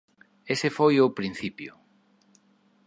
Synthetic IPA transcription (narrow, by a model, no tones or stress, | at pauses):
esefojʊpɾin̟θipjʊ